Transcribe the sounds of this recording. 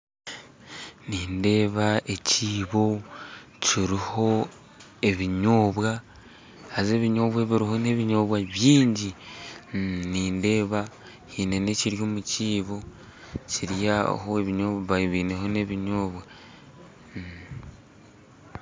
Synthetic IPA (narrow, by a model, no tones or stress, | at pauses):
niːnde̞ːβaeciːβo̞ | ciɾiho̞ | e̞βiɲoːβwa | haze̞βiɲo̞ːβwaβiɾiɦo̞ne̞βiɲo̞ːβwaβjiːɲɟi | niːnde̞ːβa | hine̞ne̞ciɾjo̞ːmuciːβo̞ | ciɾjahoeβiɲoβaβiːneɦo̞ne̞βiɲoːβwa